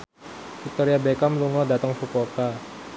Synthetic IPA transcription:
fik̚t̪oɾiabekamluŋɔdat̪əŋfupoka

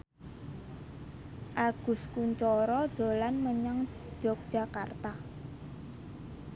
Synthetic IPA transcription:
ʔaɡ̥ʊ̤skuɲt͡ʃɔɾɔɖ̥o̤lanməɲaŋ̥ | d͡ʒ̥ɔ̤k̚d̥ʒ̥a̤kart̪a

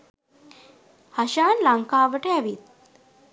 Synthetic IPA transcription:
hɐʃaːnlaŋkaːʋəʈəæʋit̪̚

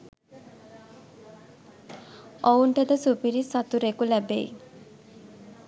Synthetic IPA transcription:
ouɳʈəd̪əsupiɾisat̪uɾekulɛbej

